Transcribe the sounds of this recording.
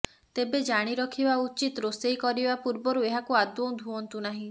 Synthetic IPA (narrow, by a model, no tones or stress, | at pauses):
t̪ebed͡ʒaɽ̃iɾɔkʰibaut͡ʃit̪ɾosejkɔɾibapuɾbɔɾueɦakuad̪ɔ̃d̪ʱuɔnt̪unaɦĩ